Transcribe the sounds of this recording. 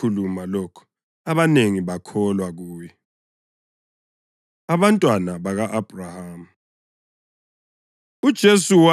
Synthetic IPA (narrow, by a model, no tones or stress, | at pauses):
ulumalɔkʰɔ̥ | aβaneŋiβakʰɔlwaɣuːjɛ | aβantʼwanaβaɣaʔab̥ʱrahaːmu | ud̥ʒ̥ʱesuwa